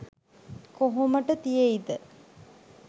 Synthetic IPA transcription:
koɦoməʈət̪ijeid̪ə

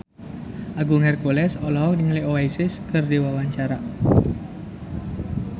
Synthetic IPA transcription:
ʔaɡuŋɛrkulɛsɔlɔɔk̚diŋlioaisɪskɨrdiwawaɲt͡ʃaɾa

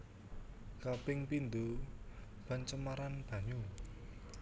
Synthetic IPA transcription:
kapɪŋpind̪u | b̥ant͡ʃəmaɾanb̥ä̤ɲu

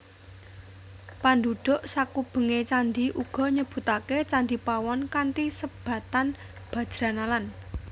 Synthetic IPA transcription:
panɖuɖ̥ʊ̤ʔsakub̥ə̤ŋet͡ʃand̪iʔuɡ̥ɔ̤ɲəb̥ṳt̪aket͡ʃand̪ipawɔnkanʈ̪isəb̥ä̤t̪an | b̥ä̤̥d͡ʒ̥ɾanalan

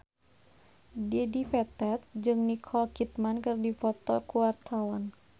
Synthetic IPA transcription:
diɛdifɛt̪ɛt̪̚d͡ʒɨŋnikʰɔlkit̪̚mankɨrdifɔt̪ɔkuwart̪ʰawan

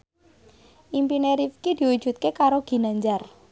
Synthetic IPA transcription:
ʔimpineɾifkid̪̥i̤wud̥ʒ̥ṳt̪̚kekaɾoɡ̥i̤naɲd͡ʒar

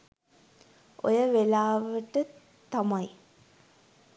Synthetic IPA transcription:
ʔo̰jəʋelaːʋəʈə | t̪amaj

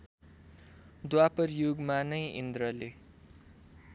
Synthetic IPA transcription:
d̪wapʌrjuɡmanʌjḭnd̪rʌle

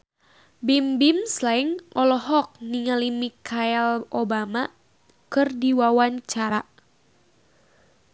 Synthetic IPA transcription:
bimbimslaɪŋɔlɔɦɔk̚niŋalimikʰaɛlobama | kɨrdiwawaɲt͡ʃaɾa

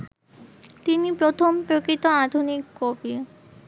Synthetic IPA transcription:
t̪inipɾot̪ʰompɾokɾit̪oad̪ʱunikːobi

